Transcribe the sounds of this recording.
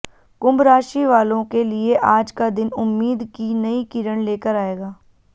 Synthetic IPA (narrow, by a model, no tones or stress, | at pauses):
kʊ̃mbɾaːʃiʋaːlõkelieʔaːd͡ʒkad̪ɪnʊmːiːd̪kinɐikiːɾəɽ̃leːkəɾaːeːɡaː